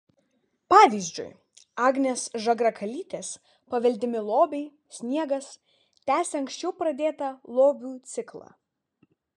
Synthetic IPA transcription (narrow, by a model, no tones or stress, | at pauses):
pɑːʋʲiːzʲd͡ʒʲʊ̰j | ɑːɡnʲeːsʒɐɡɾɐkʰɐlʲiːt̪ʲeːs | pɐʋʲɛlʲd̪ʲɪmʲɪlˠoːbʲɛɪ | sʲnʲiɛɡɐs | t̪ʲæːsʲeɐŋksʲt͡ʃʲɛʊpɾɐd̪ʲeːt̪ɐlˠoːbʲuːt̪sʲɪklˠɑ̰ː